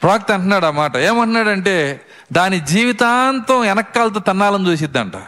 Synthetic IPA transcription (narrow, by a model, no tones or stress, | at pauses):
pɾaːk̚t̪ɐɳʈɐnːaːɽaːmaːʈɐeːmɐɳʈɐnaːɽɐɳʈeː | d̪aːnid͡ʒiːʋit̪aːnt̪ɐɛnɐkːaːlɐt̪̬oːt̪ɐnːaːlɐnd͡ʒ̪uːsid̪ːɐ̰ɳʈa̰